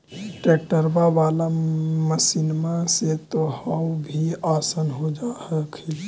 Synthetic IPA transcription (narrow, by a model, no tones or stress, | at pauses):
ʈeːk̚ʈəɾbaʋaːlaməsɪnmaset̪oɦabʱiaːsənɦod͡ʒaːəkʰɛ